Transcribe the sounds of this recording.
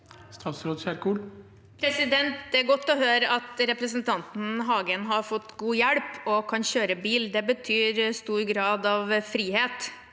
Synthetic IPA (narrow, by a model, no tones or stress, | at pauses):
st̪ʰɑːt̪sɾoːd̪sæɾkuːl | pʰɾɛsɪd̪ɛnt̪̚d̪ɛæɾɡɔt̪ːɔɦøːɾəɑt̪ɾɛpɾəsnt̪ʰɑnt̪n̩ɦɑːɡənɦɑɾfɔt̪ːɡuːjæɽpɔkʰɑnɕøːɾəbiːld̪ɛbət̪ʰyːɾst̪uːɾɡɾɑːd̪ɑʋfɾiːheːt̪